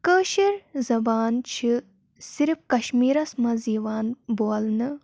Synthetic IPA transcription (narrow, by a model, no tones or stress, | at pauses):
kəːʃiɾzɐbaːnt͡ʃʰi | siɾifkɐʃmiːɾɐsmɐziːʋaːnboɐlnɨ